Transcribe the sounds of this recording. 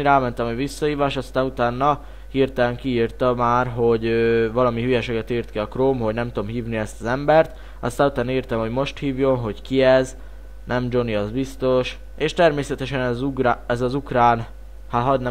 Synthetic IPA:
ɾaːmɛnt̪ɛmɛʋisːɒhiːvaːʃɒst̪aːnut̪aːnːɒ | hiːrt̪ɛlɛŋkiiːrt̪ɒmaːrɦo̞ɟøvɒlɒmiɦyjɛʃeːɡɛt̪iːrt̪kiɒkroːmho̞ɟnɛmt̪uomhiːvniɛst̪ɒzɛmbɛrt̪ | ɒ̰st̪anut̪aːniːrt̪ɛmho̞ɟmo̞ʃt̪hiːvjo̞nɦo̞ɟkiɛz | nʔɛmd͡ʒo̞niɒzbist̪o̞ʃ | eːʃt̪ɛrmeːsɛt̪ɛʃɛnuraɛzɒzukraːn | haɦɒd̪n

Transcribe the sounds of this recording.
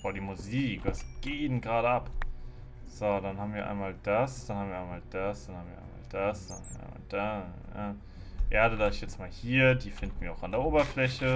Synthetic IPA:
v̥oɐdiːmuziːkv̥asɡ̥eiːnənɡʁaːɾəʔap | z̥odanhaːbmviːɐʔa̰ɪnmaːld̥asd̥anhaːbmviːɐaɪmaːld̥asd̥anhaːbmviɐʔa̰ɪma̰ːld̥asd̥anhaviɐʔa̰ɪma̰ːld̥aː | a | ʔeːɐɾəlaːɪçjɛt͡smaːlhiːɐdiːfɪndn̩viːɐaʊxandeːɐʔoːbɐflɛçə

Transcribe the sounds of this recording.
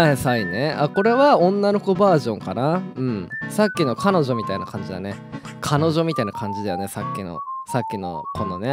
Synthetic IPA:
asaineako̞ɾe̞βaõ̞nːano̞kobaːʑõ̞ŋkanaɯ̟̃ɴsakʲːino̞kʰano̞ʑo̞mʲit̪ainakãɲ̟d͡ʑid̪a̰ne | kʰano̞ʑo̞mʲit̪ainakʰãɲ̟d͡ʑid̪ajo̞̰ne̞sakʲːino̞̰sakʲːino̞̰kʰõ̞nːone

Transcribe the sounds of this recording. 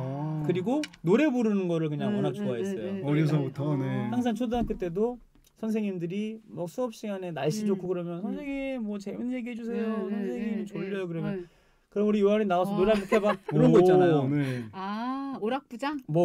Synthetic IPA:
kɯɾiɡonoɾe̞buɾɯnɯnɡʌɾɯɭkɯɲaŋonak̚t͡ɕ͈oais͈ʌjo̰ɾjʌs̬ʰʌbutʰʌnehaŋsʰaŋt͡ɕʰodank͈ɯt͈e̞do | sʰʌnsʰeŋɲimndɯɾimʌk̚s͈uʌp̚ɕ͈iɡane̞naɭɕ͈id͡ʑokʰuɡɯɾʌmjʌnsʰʌnsʰe̞ŋiemwʌt͡ɕeminje̞ɡiɦed͡ʑusʰe̞josʰʌnsʰeŋŋimt͡ɕoʎːʌjokɯɾʌmjʌn | kɯɾʌmuɾijoaɾinaasʰʌnoɾeakukʰebakɯɾʌnɡʌit͡ɕ͈anajoneaoɾak̚p͈ud͡ʑamʌ

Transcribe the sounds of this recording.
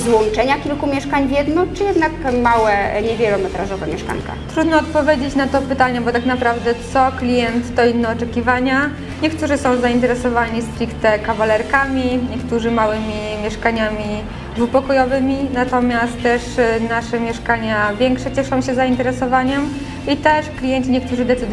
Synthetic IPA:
zwɔnt͡ʂɛɲakʲilkumʲjɛʂkaɲvʲjɛd̪nɔt͡ʂɘjɛd̪nakmawɛɲɛvʲjɛlɔmɛt̪ɾaʐɔvɛmʲjɛʂka̰ŋka̰t̪ɾud̪nɔːt̪̚pɔvʲjed͡ʑet͡ɕnat̪ɔpɘt̪aɲɛbɔt̪aknapɾavd̪ɛt̪sɔklʲijɛnt̪ːɔinːɛɔt͡ʂɛkʲivaɲa | ɲɛkt̪uʐɘsɔ̃w̃zaint̪ɛɾɛsɔvaɲist̪ɾʲikt̪ɛkavalɛɾkamʲiɲɛkt̪uʐɘmawɘmʲimʲjɛʂkaɲamʲi | vupɔkɔjɔvɘmʲinat̪ɔmʲjast̪ːɛʂnaʂɛmʲjɛʂkaɲavʲjɛŋkʂɛt͡ɕɛʂɔ̃w̃ɕɛzaint̪ɛɾɛsɔvaɲɛm | it̪ɛʂklʲijɛɲt͡ɕiɲɛkt̪uʐɘd̪ɛt̪sɨd̪

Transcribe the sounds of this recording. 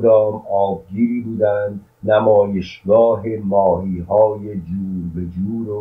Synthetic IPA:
d̪ɒːmɒːb̚ɡiːɾiːbuːd̪ænd̪ | næmɒːjeʃɡɒːɦe̞mɒːɦiːɦɒːje̞d͡ʒuːɾbe̞d͡ʒuːɾo

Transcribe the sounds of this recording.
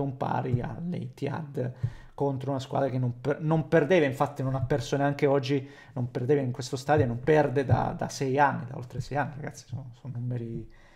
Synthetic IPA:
ompa̰ːɾia̰lḛit̪ia̰d̪kont̪ɾounaskwa̰d̪ɾakenːompnomperd̪eːvaiɱfat̪ːinonapːɛrsoneaŋkeɔd͡ʒːi | nomperd̪eːveiŋkwest̪ost̪aːd̪joenːompɛrd̪ed̪a̰d̪a̰sɛjanːid̪a̰o̰lt̪ɾesɛjanːiɾaɡa̰t̪sːi̥sonsonːumeɾi

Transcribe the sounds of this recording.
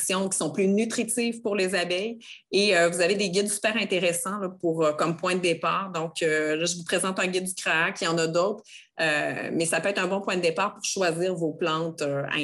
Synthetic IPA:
sjɔ̃kʲi̥sɔ̃plynyt̪χit̪ivpuʁlezabɛj | eøvuzaved̪eɡʲɪd̪sy̥pɛːʁɛ̃t̪eʁesɑ̃lʌpuʁøkɔmpwɛ̃d̪əd̪epaːʁd̪ɔ̃kølʌʒəvupχezɑ̃t̪ɛ̃ɡʲɪd̪̚ːykχaakʲijɑ̃nad̪oːt̪χ | ømɛsapøɛt̪χɛ̃bɔ̃pwɛ̃d̪əd̪epaːʁpʊʁʃwaziːʁvoplɑ̃t̪øɛ̰̃

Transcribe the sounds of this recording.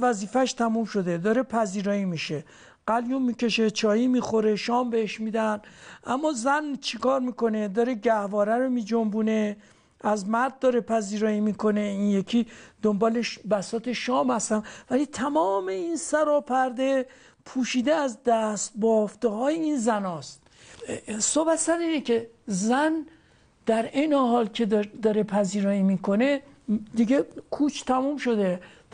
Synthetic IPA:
væziːfæʃt̪ʰæmumʃo̞d̪ed̪ɒːɾe̞pʰæziːɾɒːimiːʃe̞ | ɢ̥æljummiːke̞ʃe̞t͡ʃʰɒːjiːmiːxo̞ɾe̞ʃɒːmbeheʃmiːd̪ænʔæmːɒːzænt͡ʃʰekɒːɾmiːko̞ned̪ɒːɾeɟæhvɒːɾæɾomiːd͡ʒombune̞ | æzmæɾd̪̚ːɒːɾepʰæziːɾɒːimiːkʰo̞ne̞injekʲʰiːd̪̥ombɒːleʃbæsɒːt̪ʰe̞ʃɒːmhæst̪ænvælit̪ʰæmɒːmeinsæɾɒːpʰæɾd̪e | pʰuːʃiːd̪eæzd̪æst̪̚bɒːft̪eɦɒːjeiːnzænɒːst̪̚ | sobæt̪sæɾiːnecʰe̞ | zæn | d̪̥æɾejneɦɒːlkʰed̪ɒːɾe̞pʰæziːɾɒːiːmiːkʰo̞ne̞ | d̪iɡekʰuːt͡ʃʰt̪ʰæmuːmʃo̞d̪e

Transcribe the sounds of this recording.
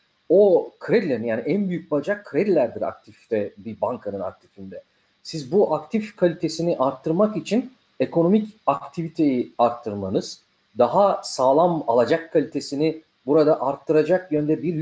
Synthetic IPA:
okʰɾɛd̪lʲeɾinjaːniʔænbyjyc̚bad͡ʒakʰːɾɛd̪lʲæɾd̪iɾa̰k̚t̪ʰift̪ɛbibaŋkʰanɯna̰k̚t̪ʰi̥find̪ɛ | sizbuʔakt̪ʰifkʰalʲit̪ʰe̞siniʔaɾt̪ʰːɯɾmakit͡ʃʰin | e̞kʰo̞no̞micakt̪ʰivit̪ʰe̞jiaɾt̪ʰːɯɾmanɯz̥ | d̪aɦasaːlˠamalˠad͡ʒakʰːalʲit̪ʰe̞sini | buɾad̪aʔaɾt̪ʰːɯɾad͡ʒakjønd̪ɛbiɾ

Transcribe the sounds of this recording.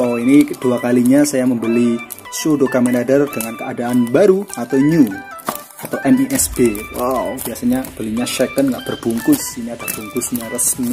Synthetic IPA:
oinid̥uakaliɲasajaməmbəli | sodokamɛnadərdəŋankəadaːnbaɾuat̪awɲu | at̪awʔɛniʔɛsb̥ewab̥iasaɲab̥əliɲaʃɛkənŋɡaʔb̥ərbuŋkʊsiniadahb̥uŋkʊsɲarəsmi

